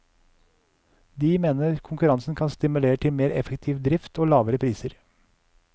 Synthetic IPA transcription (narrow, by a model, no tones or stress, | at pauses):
d̪iːmeːnəɾkʰʊŋkʉɾɑnsn̩kʰɑnst̪ɪmʉleːɾəʈ̪ʰɪlmeːɾɛfəkt̪ʰiːʋd̪ɾɪft̪ʰoːlɑːʋəɾəpʰɾiːsəɾ